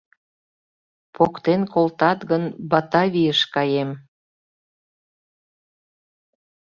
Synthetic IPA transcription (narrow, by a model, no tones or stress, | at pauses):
pokt̪enkolt̪ɑt̪ɣənbɑt̪ɑβijəʃkɑjem